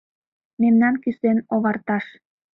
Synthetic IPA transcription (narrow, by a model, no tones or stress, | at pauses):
memnɑnkysenoβɑrt̪ɑʃ